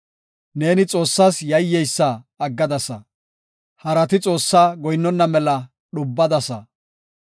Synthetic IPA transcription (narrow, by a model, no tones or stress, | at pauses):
ne̞ːnɪt͡sʼo̞ːsːasjɐjːɛjsːɐː | ɡːɐd̪ɐsɐ̰ | hɐɾɐt̪ɪt͡sʼo̞ːsːaɡɔjɪnːɔnːɐmɛlɐ | ɗʊbːɐd̪ɐsɐ